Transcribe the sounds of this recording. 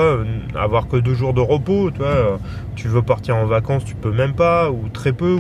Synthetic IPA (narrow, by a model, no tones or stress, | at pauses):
aøa̰vwaʁkəd̪øʒuʁd̪əʁəpot̪ywaø | t̪yvøpaʁt̪iʁɑ̃vakɑ̃st̪y̥pømɛmpaut̪χɛpø